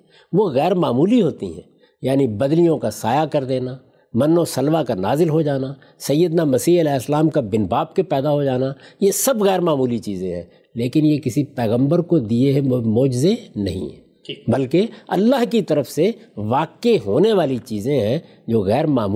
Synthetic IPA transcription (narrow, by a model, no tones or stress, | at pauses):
ʋoɣɛːɾmaːmuːliɦoːt̪ḭɦɛ̰̃ː | jaːnibɐd̪lijõkasaːjakɐɾd̪eːnaː | mɐnːosɐlʋakanaːzɪlɦod͡ʒaːnaː | sɐjːəd̪namɐsiːɐlɛːsəlaːmkabɪnbaːp̚kepɛːd̪aɦod͡ʒaːnajesɐbɣɛːɾmaːmuːlit͡ʃiːzẽɦɛ̰̃ː | leːkɪnjekɪsipɛːɣə̃mbəɾkod̪ieɦɛmoːd͡ʒɪzenɐ̰ɦḭ̃ɦɛ̰̃ | bɐlkeɐ̰lːaɦkit̪ɐɾəfseʋaːkeɦoːneʋaːlit͡ʃiːzẽɦɛ̃ | d͡ʒoːɣɛːɾmaːmː